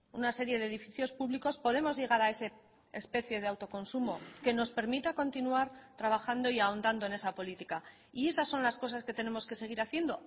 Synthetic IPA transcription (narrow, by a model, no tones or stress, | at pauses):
ṵnase̞ɾje̞ðeːðifiθjo̞spuβliko̞spo̞ðe̞mo̞zʝe̞ɣ̞aɾae̞seː | spe̞θje̞ð̞eawt̪o̞ko̞nsumo̞ke̞no̞spe̞ɾmit̪ako̞nt̪inuaɾt̪ɾaβ̞axand̪o̞iao̞nd̪and̪o̞e̞ne̞sapo̞lit̪ika | ie̞sasːo̞nlasko̞saske̞t̪enẽ̞mo̞ske̞se̞ɣ̞iɾaθje̞nd̪o̞